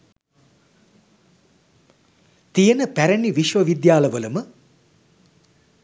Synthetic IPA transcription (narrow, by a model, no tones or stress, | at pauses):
t̪ijənəpæɾæniʋiʃʋəʋid̪jaːləʋəlumə